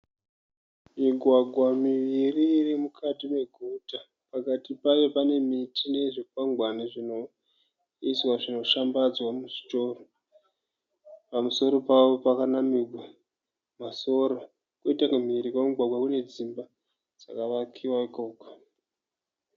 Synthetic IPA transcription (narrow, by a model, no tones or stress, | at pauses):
miɡʱwaɡʱwamiʋiririmukʰatime̞ɡʱuta | pakatipajo̞pane̞mitine̞ʐikwaŋɡwaniʐino̞ | iswaʐino̞ʃambad͡zwamuʐito̞ːro | pamuso̞ɾo̞pawo̞pakanamiɡʱa | maso̞ɾo | kuitakum̤iɾikwemiɡʱwaɡʱwakune̞d͡zimba | d͡z̥a̰kaʋakʰiwaikoːko̥